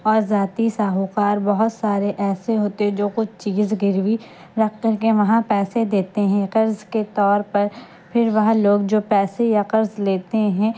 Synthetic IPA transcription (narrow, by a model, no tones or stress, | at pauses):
ɔːɾzaːt̪isaːɦuqaːɾbɐɦʊt̪saːɾeʔɛːseɦoːt̪eɦɛ̃d͡ʒoːkʊt͡ʃʰt͡ʃiːzɡɪɾʋi | ɾɐkeʋɐɦãpɛːsed̪eːt̪eɦɛ̃qɐɾzket̪ɔːɾpɐɾ | pʰɪɾʋɐɦãloːɡd͡ʒoːpɛːsejaqɐɾzleːt̪eɦɛ̃